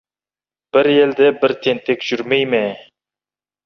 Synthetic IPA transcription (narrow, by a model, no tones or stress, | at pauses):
b̥ɪɾjeld̪ɛbɪɾt̪ʰent̪ʰekʲʒ̥ʊɾmejmɪ